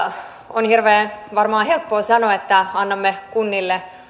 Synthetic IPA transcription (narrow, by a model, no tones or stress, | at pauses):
onhirʋeːʋɑrmɑːhelpːoːsɑnoet̪ːæɑnːɑmːekunːilːe